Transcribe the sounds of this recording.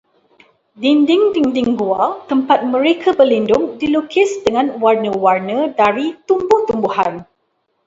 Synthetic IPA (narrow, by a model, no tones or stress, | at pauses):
dindɪŋdiŋdiŋɡuat̪əmpat̪̚mə̃ɾekʰabərlindʊŋdilukɪsdəŋãnwarnə̃warnə̃daɾit̪umbʊht̪umbuhan